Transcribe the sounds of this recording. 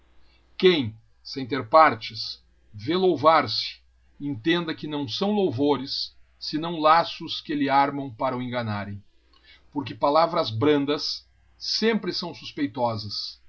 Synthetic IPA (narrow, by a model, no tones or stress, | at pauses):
kẽj̃ | sẽj̃t̪eɾpaɾt͡ʃɪs | velowvaɾsɪ̥ | ẽnt̪ẽnd̪ɐkɪnɐ̃w̃sɐ̃w̃lowvoɾɪsː | ɪnɐ̃w̃lasʊskɪlɪaɾmɐ̃w̃paɾɐʊẽŋɡɐnaɾẽj̃ | poɾk̬ɪpalavɾɐzbɾɐ̃nd̪ɐsː | ẽmpɾɪsɐ̃w̃su̥spejt̪ɔzɐs